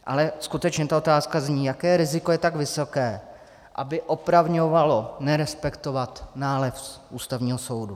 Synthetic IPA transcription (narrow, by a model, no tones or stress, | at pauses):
ʔa̰lɛskut̪ɛt͡ʃɲɛt̪aot̪aːskazɲiːjakɛːɾɪzɪkojɛt̪aɡvɪso̞kɛː | ʔa̰bɪʔo̞pɾavɲovalo̞nɛɾɛspɛkt̪o̞vat̪naːlɛfʔuːst̪avɲiːɦoso̞wdu